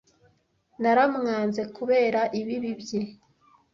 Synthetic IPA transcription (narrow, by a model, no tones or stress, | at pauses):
naɾamŋaːnze̞kuβe̞ːɾaʔiβiβibje